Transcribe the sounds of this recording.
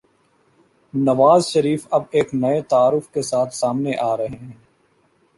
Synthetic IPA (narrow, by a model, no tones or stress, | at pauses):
nɐʋaːzʃɐɾiːfɐbeːknɐet̪aaːɾʊfkesaːt̪ʰsaːmneʔaːɾɐɦeɦɛ̃ː